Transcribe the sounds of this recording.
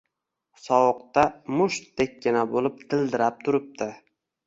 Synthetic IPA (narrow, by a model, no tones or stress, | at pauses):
sɒwɨq̚t̪amʊʃt̪d̪ekʲːɪnabolɪp̚t̪ʰɪlˠd̪ɪɾap̚t̪ʰʊɾɪp̚t̪ɪ